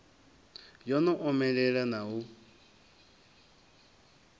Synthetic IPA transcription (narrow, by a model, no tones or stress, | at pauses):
jɔnɔʔɔmɛɺɛɺanaɦu